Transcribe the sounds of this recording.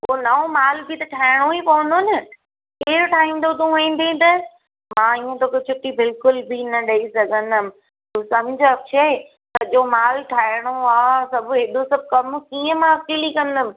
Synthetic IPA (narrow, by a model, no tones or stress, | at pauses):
poːnɐõmaːlbʱit̪ɐʈʰaːɪɽ̃oipɐʋə̃n̆d̪oːnɪ | keːɾʈʰaːɦĩːnd̪ot̪̬ũĩːn̆d̪ẽt̪ɐ | mãːiə̃t̪oːket͡ɕʰʊʈibɪlkʊlbʱinɐɗɐisɐɡʱə̃nd̪əmɪ̃̆ | t̪ũːsɐmʊd͡ʑʱɐkʃʰɐe | t̪ɐʄomaːlʈʰaːɪɽ̃oaːsɐbʱʊɦɪɗ̪osɐb̚ʱkɐmkiːə̃mãɐkiːlikɐ̃nd̪əmɪ̃̆